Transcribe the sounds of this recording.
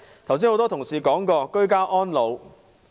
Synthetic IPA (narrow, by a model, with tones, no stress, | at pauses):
t̪ʰwsiː˥ho˨˧wt̪ɔː˥t̪ʰʊ˨˩ŋsiː˨kɔː˨˥ŋkɔː˧kɵ˥ɥkaː˥ʔɔː˥nlo˨˧w